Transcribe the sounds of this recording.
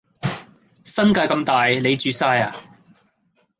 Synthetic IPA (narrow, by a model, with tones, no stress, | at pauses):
sɐ˥nkaː˧jkɐ˧mt̪aː˨˩jle˨˧jt͡ʃyː˨˧saː˧jaː˨˩